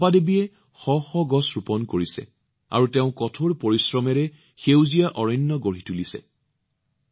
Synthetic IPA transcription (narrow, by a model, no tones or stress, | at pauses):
padebiɛ | xɔxɔɡɔsɹupɔnkoɹisɛ̰ | a̰ɹutɛʊ̃kɔtʰoɹpoɹisɹɔmɛɹɛ | xewzijaʔɔɹɔnːɔɡoɹitulisɛ̰